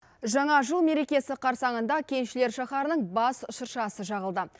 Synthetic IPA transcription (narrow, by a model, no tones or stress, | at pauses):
ʒɑɴɑʒəlˠme̞ɾe̞kʲe̞sɪqʰɑɾsɑɴənd̪ɑkʲʰe̞nʃɪle̞ɾʃɑχɑɾənəɴbɑsʊʃəɾʃɑsəʒɑʁəlˠd̪ə